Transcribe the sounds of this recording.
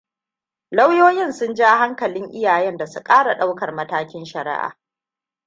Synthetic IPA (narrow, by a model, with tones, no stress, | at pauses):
la˦wjoː˦jɪ˦˨nsʊ˦nd͡ʒa˦ɦa˦ŋkɐ˨lɪ˦ŋʔɪ˦jaː˨jɛ˦nda˨su˦kʼaː˦ɽa˨ɗa˦wkɐ˨rmɐ˦taː˦kʲɪ˦nʃɐ˨ɾɪ̰˦ʔa̰ː˨